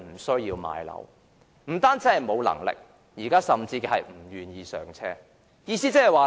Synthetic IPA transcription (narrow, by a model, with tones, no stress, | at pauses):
m̩˨˩sɵ˥ɥjiː˧wma̰ː˨˧jlɐ̰˨˩˥w | m̩˨˩t̪aː˥nt͡siː˨˥hɐ˨jmo˨˧wlɐ̰˨˩ŋlɪ̰˨k̚ | jiː˨˩kaː˥sɐ˨mt͡siː˧kɛː˧hɐ˨jm̩˨˩jyː˨˩njiː˧sœː˨˩ŋt͡sʰɛː˥ | jiː˧siː˥t͡sɐ˥ɦɐ˨jwaː˨